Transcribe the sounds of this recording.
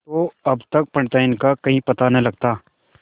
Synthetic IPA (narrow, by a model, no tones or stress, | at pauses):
t̪oɐbt̪ɐk̚pɐ̃ɳɖt̪aɪnkakɐɦĩpɐt̪anɐ̃lɐɡ̚t̪aː